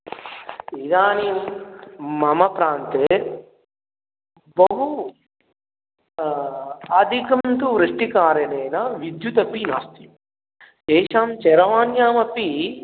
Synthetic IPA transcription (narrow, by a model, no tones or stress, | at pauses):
id̪aːni | mɐmɐpɾaːnt̪e | bɐɦu | aːd̪ʱikɐmt̪uʋɾɐʂʈikaːɾɐneːnɐʋid̪jut̪ɐpina̰ːst̪i̥ | t͡ʃɛːʃaːmt͡ʃɛɾɐʋaːnjaːmɐpi